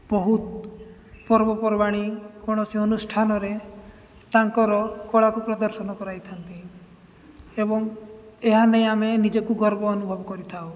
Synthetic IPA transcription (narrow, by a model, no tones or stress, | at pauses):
bɔɦut̪ | pɔɾbɔpɔɾbaɽ̃ikɔɽ̃ɔsiɔnusʈʰanɔɾe | t̪aŋkɔɾɔkɔɭakupɾɔd̪ɔɾsɔnɔkɔɾajt̪ʰant̪i | ebɔŋeɦanej̃amenid͡ʒɔkuɡɔɾbɔːnubʱɔbɔkɔɾit̪ʰao